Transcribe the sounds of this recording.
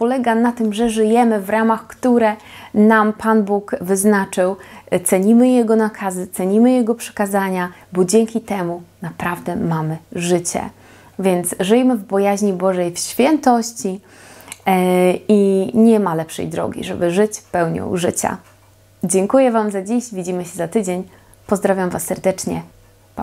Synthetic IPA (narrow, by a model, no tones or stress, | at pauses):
pɔlɛɡanat̪ɘmʐɛʐɘjɛmɘvɾamaxkt̪uɾɛ | nampanbukvɘznat͡ʂɘwt̪sɛɲimɘjɛɡɔnakʰazɘt̪sɛɲimɘjɛɡɔpʂɛ̥kazaɲabɔd͡ʑɛŋkʲit̪ɛmunapɾavd̪ɛmamɘʐɘt͡ɕɛ̰ | vʲjɛnt̪sʐɘjɛmɘvbɔjaʑɲibɔʐɛjfɕfʲjɛnt̪ɔɕt͡ɕi | iɲɛmalɛpʂɛ̰jd̪ɾɔ̰ɡʲḭʐɛ̰bɘʐɘt͡ɕpɛwɲɔ̰ʐɘ̰t͡ɕa̰ | d͡ʑɛŋkujɛvamzad͡ʑiɕvʲid͡ʑimɘɕɛzat̪ɘd͡ʑeɲ | pɔzd̪ɾavʲjamvasːɛɾd̪ɛt͡ʂɲɛ | p